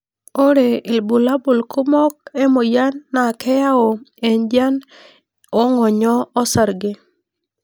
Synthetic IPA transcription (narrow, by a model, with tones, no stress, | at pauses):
o˦ɾe˨i˨lbu˨la˦bo˨lku˦mɔ˦k̚ɛ˦mo˨ja˦nːa˨kʰɛ˦ja˦o˨e˨nd͡ʒa˦n | ɔ˦ŋɔ˨ɲɔ˦ɔ˦sa˨ɾɡɪ˦